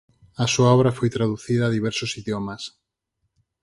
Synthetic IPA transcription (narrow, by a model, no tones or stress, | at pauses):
ɐsuaɔβɾɐfojt̪ɾaðuθiðɐːðiβɛɾsʊsiðjomɐs